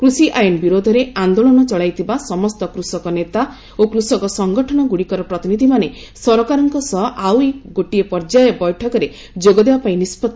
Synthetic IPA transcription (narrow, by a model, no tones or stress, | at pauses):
kɾusiʔajɔnbiɾod̪ʱɔɾeand̪olɔnɔt͡ʃɔɭajt̪ʰibasɔmɔst̪ɔkɾusɔkɔnet̪a | okɾusɔkɔsɔŋɡɔʈʰɔɽ̃ɔɡuɽikɔɾɔpɾɔt̪inid̪ʱimane | sɔɾɔkaɾɔŋkɔsɔɦɔʔaweɡoʈiepɔɾd͡ʒajɔbɔjʈʰɔkɔɾe | d͡ʒoɡɔd̪ebapaĩnispɔt̪ː